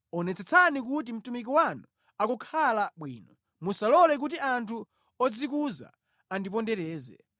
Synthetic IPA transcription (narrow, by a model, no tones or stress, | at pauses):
ɔnɛt͡sʰɛt͡sʰanik̬ut̬im̩tumikiwanu | akɔkʰalaɓwiːnɔ | musalɔlɛk̬ut̬iantʰu | ɔd͡zikuza̰ | andip̬ɔndɛɾɛːzɛ̰